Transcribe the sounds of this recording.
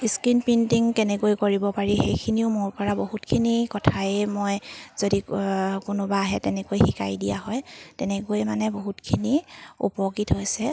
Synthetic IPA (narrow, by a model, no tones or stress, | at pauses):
iskinpintiŋkɛnɛkojkoɹibɔpaɹixejkʰiniʊmʊɹpɔɹaboɦutkʰinikɔtʰaɛmojz̥odikʊnʊbaːɦɛtɛnɛkojxika̰jdijaɦɔjtɛnɛkojmanɛboɦutkʰiniṵpɔkitɦojsɛ